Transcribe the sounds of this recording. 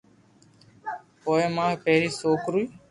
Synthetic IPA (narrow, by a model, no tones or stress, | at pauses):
poːeːmãːpeːɾiːsoːkɾuiː